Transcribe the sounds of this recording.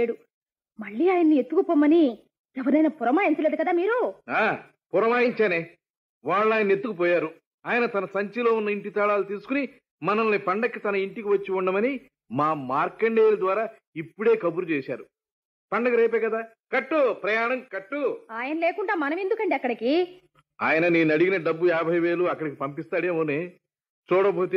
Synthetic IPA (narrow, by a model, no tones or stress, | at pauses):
eːɽu | mɐɭːiːaːjɐnːiet̪ːukupɔːmɐni | ɛʋɐɾɐjnɐːpɔɾɐmaːjiɲt͡ʃɐle̞ːd̪ukɐd̪aːmiːɾuaː | puɾɐmaːjiɲt͡ʃaːneː | ʋaːɭːaːjɐnːe̞t̪ːukup̬ɔːjaːɾu | aːjɐnɐt̪ɐnɐsɐɲt͡ʃilo̞ːunːɐiɳʈit̪ɐɭaːlut̪̬iːsu̥kuni | mɐnɐmliːpɐɳɖɐkːit̪ɐnɐiɳʈikiʋɐt͡ʃːiuɳɖɐmɐni | maːmaːɾkɐɳɖeːjlɐd̪ʋaːɾaː | ipːuɽe̞ːkɐbuɾut͡ʃɛːʃa̰ːɾu | pɐɳɖɐkɐɾeːpɛːkɐd̪aː | kɐʈːupɾɐjaːɳɐmkɐʈːuaːjɐnɐleːkuɳʈaːmɐnɐme̞nd̪ukɐɳɖiɐkːɐɽɐkiː | a̰ːjɐnɐneːnɐɽiɡinɐɖɐbːujaːbʱɐjʋe̞ːluɐkːɐɽɐkipɐmpist̪aːɽeːmoːneː | t͡ʃuːɽɐboːt̪eː